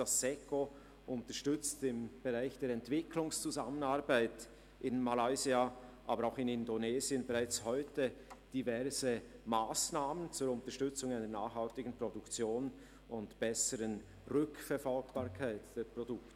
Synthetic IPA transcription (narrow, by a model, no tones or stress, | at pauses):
d̥asːɛko | ʔʊntəʃtʏt͡stɪmb̥eʁaɪçd̥eːɾɛntv̥ɪkʰlʊŋst͡suzamənaɾbaɪt | ʔɪnmalaɪziaʔaːbəɾaʊxɪnɪndonɛːziənbɛʁaɪt͡shɔʏtəd̥ivɛɾz̥əmaːsnaːmənt͡sʊːɾʊntəʃtʏt͡sʊŋaɪnənaːxhaltɪɡən̩pʁodʊkt͡sjoːn | ʊntb̥ɛsəɾən | ʁʏkfɛɾfɔlɡb̥aːɾkʰaɪtd̥eːprodʊkt